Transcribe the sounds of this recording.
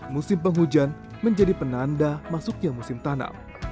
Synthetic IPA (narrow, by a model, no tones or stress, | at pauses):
musɪmpəŋɦud͡ʒan | məɲd͡ʒadipənandamasuk̚ɲamusɪmt̪ana̰m